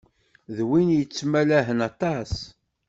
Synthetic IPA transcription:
ðwinjət͡sːmælæɦənɑt̪ˤɑs

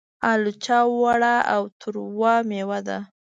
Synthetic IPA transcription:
alut͡ʃɑwaɽaa̰wt̪ʰʊɾwɑmewad̪a

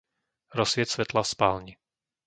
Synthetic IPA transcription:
ɾɔsʋɪɛt̪sʋɛt̪lafspaːlɲi

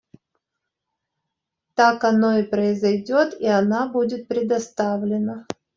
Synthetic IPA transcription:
t̪akɐno̞ɪpɾəɪzɐjdʲot̪iɐnabudʲɪt̪̚pɾʲɪd̪ɐst̪avlʲɪnə

